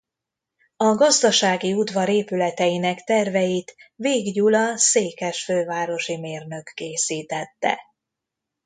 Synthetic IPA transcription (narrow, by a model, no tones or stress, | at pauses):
ɒɡɒzd̪ɒʃaːɡiud̪vɒɾeːpylɛt̪ɛjinɛkt̪ɛrvɛjit̪veːɡɟuːlɒseːkɛʃføːvaːɾo̞ʃimeːrnø̞kːeːsiːt̪ɛt̪ːɛ̰